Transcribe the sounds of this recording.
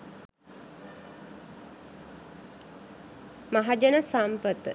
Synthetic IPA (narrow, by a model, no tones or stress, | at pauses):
maɦad͡ʒənəsampət̪ə